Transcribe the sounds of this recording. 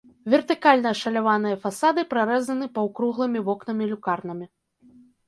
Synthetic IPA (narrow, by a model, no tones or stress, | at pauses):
vʲɛrt̪ɨkalʲnɐʂɐlʲavanɨjɐfasad̪ɨpɾaɾɛzɐnɨpɐwkɾuɣlˠɨmʲivɔknɐmʲilʲukarnɐmʲi